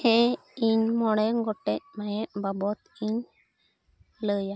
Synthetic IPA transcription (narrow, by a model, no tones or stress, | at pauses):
hɛ̃ | iɲmɔɽ̃ɛŋɡɔʈɛc̚majɛʔbabɔt̪iɲ | ləja